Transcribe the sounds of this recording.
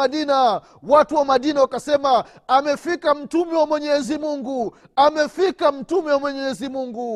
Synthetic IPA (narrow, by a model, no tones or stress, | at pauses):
aɗina | watuwamaɗinawakasɛma | amɛfikam̩tumɛwamwɛɲɛzimuŋɡu | amɛfikam̩tumɛwamwɛɲɛɛzimuŋɡu